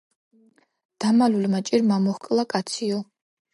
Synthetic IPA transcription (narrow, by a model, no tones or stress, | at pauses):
d̪̥amalulmat͡ʃʼiɾmamɔχkʼlˠakʼat̪sʰiɔ